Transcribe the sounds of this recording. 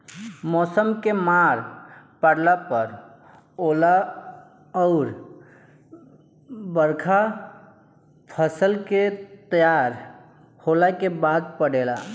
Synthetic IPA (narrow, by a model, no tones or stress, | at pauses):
mɔsəmkemaɾpaɽlapəɾ | ola | ʊɾ | bəɾkʰa | pʰəsəlket̪əjaɾ | holakebad̪pəɽela̰